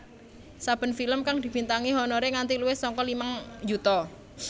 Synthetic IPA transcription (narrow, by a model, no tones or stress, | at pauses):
sab̥ə̤nfiləmkaŋd̪̥i̤b̥i̤nt̪aŋiɦɔnɔɾeŋant̪iluwɪhsɔŋkɔlimaŋd͡ʒut̪ɔ